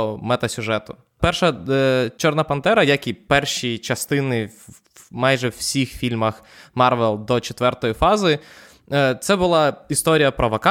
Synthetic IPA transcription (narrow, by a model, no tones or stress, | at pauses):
mɛt̪ɐsʲʊʒɛt̪ʊ̥ | pɛrʃɐt͡ʃɔrnɐpɐnt̪ɛɾɐjakʲipɛrʃit͡ʃɐst̪ɪnɪ | mɑjʒɛwsʲixfʲilʲmɐx | mɑrʋɛlˠd̪ɔt͡ʃet̪ʋɛrt̪ɔjifɑzɪ | t̪sɛbʊlˠɑist̪ɔɾʲijɐpɾɔʋɐkɑ